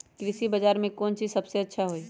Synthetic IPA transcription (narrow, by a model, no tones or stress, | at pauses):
kɾɪsibɐd͡ʒaːɾmẽkɔːnt͡ʃiːzsɐbseɐtːʃʰaɦoiː